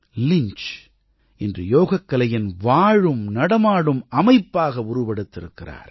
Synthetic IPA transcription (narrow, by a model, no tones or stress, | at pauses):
lɪɲt͡ʃ | ʔɪndrɯjoːɣɐkːɐlɐjɪnʋaːɻɯmnɐɽɐmaːɽɯmɐmɐɪpːaːɣɐʊɾʊʋɐɽɯt̪ːɪɾɯkːɪra̰ːɾ